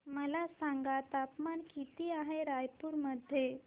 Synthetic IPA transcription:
məlasaŋɡat̪apmankit̪iːaɦeɾajpuɾməd̪ʱːje

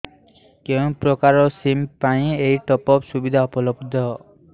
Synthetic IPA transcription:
kew̃pɾɔkaɾɔsimpaĩejʈɔpɔpsubid̪ʱaɔpɔlɔbd̪ʱɔ

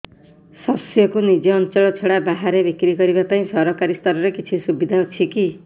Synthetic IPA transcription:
sʌsjɔkunid͡ʒɔːnt͡ʃɔɭɔt͡sʰeɽabaɦaɾebikɾiɡʌɾibapaĩsʌɾɔkaɾist̪ʌɾɔɾekit͡ʃʰisubid̪ʱaut͡ʃʰiki

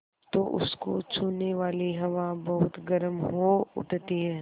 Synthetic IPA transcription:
t̪oːʔʊ̰skot͡ʃʰuːnːeʋaːliɦɐʋabɐɦʊt̪ɡɐɾəmɦoʊ̰ʈt̪iɦɛː

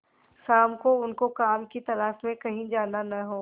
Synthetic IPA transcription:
saːmkoʊnkokaːmkit̪ɐlaːʃmẽkɐɦĩd͡ʒaːnanɐɦoː

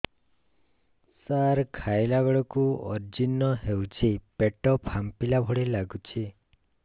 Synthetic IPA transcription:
saɾkʰajlaɡɔɭɔkuɔ̰ɾd͡ʒinːɔɦewt͡ʃʰipeʈɔphampilabʱɔɽilaɡut͡ʃʰi

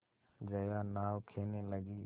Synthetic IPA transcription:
d͡ʒəjaːnaːʋkʰeːneːləɡiː

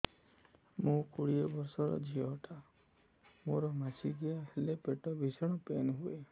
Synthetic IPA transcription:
mũkuɽiɔbɔɾsɔɾɔ̰d͡ʒʱiɔʈa | moɾɔmasiɡiahelepeʈɔbʱisɔɽ̃ɔpenɦue

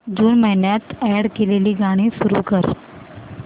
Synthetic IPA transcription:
d͡ʑuːnməɦɪnjat̪ɛɽkeleliːɡaɽ̃isuɾṵːkəɾ

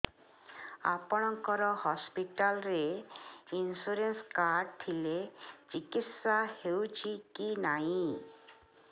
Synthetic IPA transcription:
a̰pɔɽ̃ɔŋkɔɾɔhɔspiʈalɾe | insuɾenskaɾɖ̚t̪ʰilet͡ʃikit̪sahewt͡ʃʰikinaɦĩ

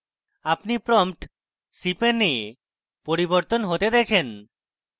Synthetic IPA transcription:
apnipɾɔmʈ | sipenie | poɾiboɾt̪onɦot̪ed̪ɛkʰen

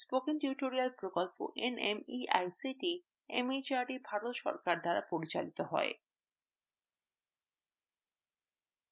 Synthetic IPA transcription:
spokenʈuɾiʈoɾialpɾokolpo̰ʔenʔemia̰jsiʈi | ḛmit͡ɕaɖibʱaɾot̪ʃɔ̰ɾkaɾd̪aɾa̰poɾit͡ɕa̰lit̪oɦɔ̰e

